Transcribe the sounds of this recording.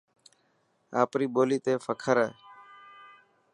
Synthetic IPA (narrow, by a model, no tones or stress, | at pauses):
aːpɾiːboːliːt̪eːfəkʰəɾɛː